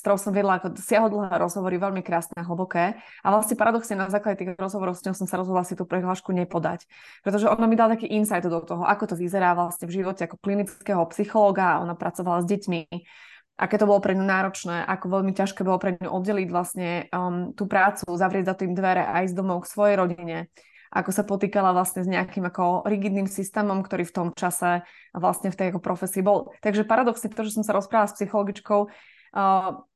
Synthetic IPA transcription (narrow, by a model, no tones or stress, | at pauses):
st̪ɔɾɔʊsɔmʋɪɛd̪laakɔsɪaɦɔd̪l̩ˠɦɛːɾɔzɦɔʋɔɾiʋɛlmikɾaːsnɛaɦl̩bɔkɛːa̰ʋlasɲɛpaɾad̪ɔksɲɛnazaːklaɟɛt̪iːɣɾɔzɦɔʋɔɾɔʊsɲɛɦʊsɔmsaɾɔzɦɔd̪lˠasit̪uːpɾɛɦlaːʃkuɲɛpɔd̪a̰c | pɾɛt̪ɔʒɛɔnamid̪alat̪akiːʔinsajd̪d̪ɔt̪ɔɦɔʔakɔt̪ɔʋizɛɾaːʋlasɲɛvʒiʋɔcɛakɔ̥klinit͡skɛɦɔpsixɔlɔːɡaɔ̰napɾʔat͡sɔʋalazɟɛcmi | ʔa̰kɛːt̪ɔbɔlɔpɾɛɲunaːɾɔt͡ʃnɛːʔakɔʋɛʎmicaʃkɛːbɔlɔpɾɛɲɲṵʔɔd̪ɟɛliɟʋlasɲɛt̪uːpɾaːt͡suzaʋɾɪɛɟzat̪iːmd̪ʋɛɾɛʔa̰izd̪ɔmɔʊksʋɔjɛjɾɔɟiɲɛ | ʔa̰kɔsapɔt̪iːkalaʋlasɲɛzɲɛakimakɔɾiɡid̪niːmsist̪ɛːmɔmkt̪ɔɾiːft̪ɔmt͡ʃasɛ | ʋlasɲɛft̪ɛjakɔpɾʔɔfɛsiːbɔlt̪aɡʒɛpaɾad̪ɔksɲɛpɾɛt̪ɔʒɛs̬ɔmsaɾɔspɾaːʋalaspsixɔlɔɡit͡ʃkɔʊ